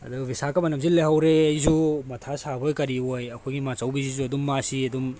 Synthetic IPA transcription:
ɐ̰dubisakɐmɐnɐmsileɦawɾeɐjzumɐtʰasabojkɐɾiojɐkʰojɡimat͡ʃɐwbizizuɐdumːasiɐdum

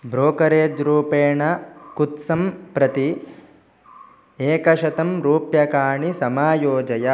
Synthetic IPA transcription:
bɾoːkɐɾeːd͡ʒɾuːpeːɳɐkut̪sɐmpɾɐt̪i | eːkɐʃɐt̪ɐmɾuːpjɐkaːɳisɐmaːjoːd͡ʒɐjɐ

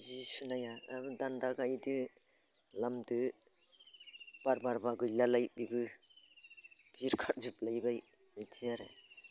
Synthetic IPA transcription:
zisunajaabɯdandaɡaidɯ | lamdɯ | b̥aɾbaɾbaɡɯjlalajbibɯ | biɾkʰaɾzɯplajbaj | ajtʰiaɾḛ

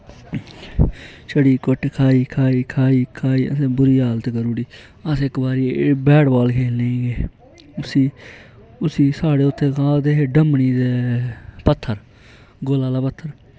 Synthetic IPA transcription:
t͡ʃʰəɽiːkoʈːkʰaːiːkʰaːiːkʰaːiːkʰaːiːə̰sẽːbʊɾiːaːlt̪eːkəɾuːɽiː | əsɪkbaːɾiːbɛːɽbaːlkʰeːlẽːɡeː | ʊsiː | ʊsiːsaːɽeːʊt̪ʰːẽːkãːld̪eːɦeːɖəmniːd̪eːpət̪ʰːəɾ | ɡoːlaːd̪aːpət̪ʰːəɾ

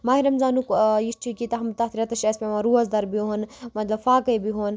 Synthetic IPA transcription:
maːɦiɾɐmzaːnukjisʈʰikit̪ɐɦmut̪aːt̪iɾɐt̪ɐʃɐspʲemaɾuːɐzd̪ɐɾbioɦɐnmɐt̪lɐbfaːkɐjbiɦon

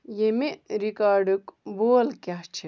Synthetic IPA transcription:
jemeɾikaːɾɖɨkboːlkaɦt͡ʃʰi

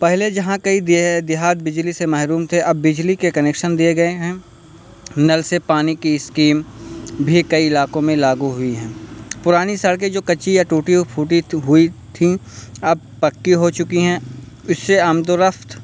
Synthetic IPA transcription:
pɛɦled͡ʒɐɦãkɐid̪d̪ɪɦaːd̪̚bɪd͡ʒlisemɛɦɾuːmt̪ʰeʔɐbːɪd͡ʒlikekɐneːkʃənd̪ieɡɐeɦɛ̃ː | nɐlsepaːnikiɪskiːmbʱikɐiɪlaːkõmẽlaːɡuɦʊiɦɛ̃ːpʊɾaːnisəɽk̬ed͡ʒoːkɐːt͡ʃijaʈuːʈipʰuːʈiɦʊit̪ʰĩ | ɐb̚pɐkːiɦot͡ʃʊkiɦɛ̃ː | ʊsːeaːmd̪oɾɐfʰt̪

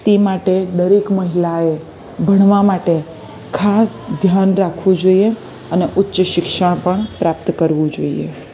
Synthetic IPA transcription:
t̪imaʈed̪əɾekməɦilae | bʱəɽ̃ʋamaʈe | kʰasd̪ʱjanɾakʰʋũd͡ʒoie | əneʔʊtːʃəʃɪkʃəɳ̃pəɳpɾap̚t̪kəɾʋũd͡ʒoḭḛ

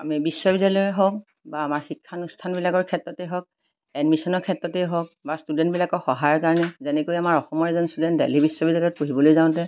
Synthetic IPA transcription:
a̰mibiswɔbidalɔɛɦɔk̚ | baːmaɹxikʰːanustʰanbilakɔɹkʰɛtɹɔtɛɦɔk̚ | ɛdmisɔnɔɹkʰɛtɹɔtɛɦɔk̚bastudɛnt̚bilakɔxɔɦajɔɹkaɹɔnɛzɛnɛkojamaɹɔxɔmɔɹɛzɔnstudɛntdḛlibiswɔbidalɔt̚poɦibɔlojzãʊ̃tɛ

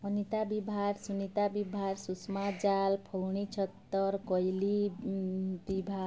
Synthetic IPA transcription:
ʌnit̪abibʱaɾsunit̪abibʱaɾsusmad͡ʒalpʰɔwɳ̃it͡ʃʰʌt̪ːʌɾkʌjli | bibʱa

